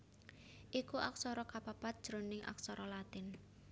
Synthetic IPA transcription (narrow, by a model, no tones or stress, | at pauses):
ʔikuʔa̰ksɔɾɔkapapat̪̚d̥ʒ̥ɾonɪŋʔa̰k̚sɔɾɔlat̪ɪn